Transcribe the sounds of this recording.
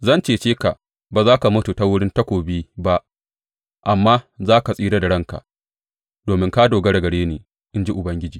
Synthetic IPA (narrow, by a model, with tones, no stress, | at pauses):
zɐ˦nt͡ʃeː˨t͡ʃeː˦ka˨ʔ | baː˨zaː˦ka˨mʊ˦tu˨ta˦wʊ˦ɽɪ˦ntɐ˦kʷoː˨biː˦ba˦ʔ | ʔa˨mːaː˦zaː˦ka˨sʼiː˦ɾa˦da˨ɽɐ˦ŋka̰˨ʔ | d̥oː˨mɪ˦ŋkaː˦doː˨ɡɐ˦ɽɐ˨ɡɐ˨ɽeː˦neː˨ | ʔɪ˦nd͡ʒi˦ʔʊ˨bɐ˦ŋɡʲɪ˦d͡ʒiː˨